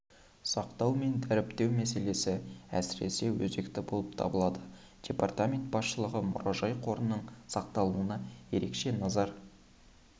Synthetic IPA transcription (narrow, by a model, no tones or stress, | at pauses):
sɑqt̪ɑwme̞nd̪æɾɪpt̪e̞wmæse̞le̞sɪæ̰sɪɾe̞̰se̞wɵze̞kt̪ɪbolˠəp̚t̪ʰɑ̰bəlˠɑd̪ə | d̪̥ʲe̞part̪amʲe̞nt̪̚b̥ɑsʃəlˠəʁəmʊ̰ɾɑʒɑjqʰo̞ɾənːəɴsɑq̚t̪ɑlˠuənɑje̞ɾe̞kʃe̞nɑzɑɾ